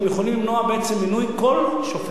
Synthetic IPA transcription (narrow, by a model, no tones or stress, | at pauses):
mjeχolimlimnoabeʔet͡semːinujkolʃofe